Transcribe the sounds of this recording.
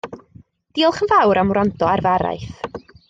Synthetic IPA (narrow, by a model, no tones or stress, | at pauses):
d̥iːlˠχənvawɾamrandɔarvaɾa̰jθ